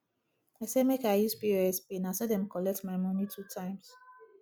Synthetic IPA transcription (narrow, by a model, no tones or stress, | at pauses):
aɪsemekaɪjuspiɹɛspẽnãsɛdɛ̃mkɔlɛk̚tmaɪmɔ̃nitʰutʰãɪ̃ms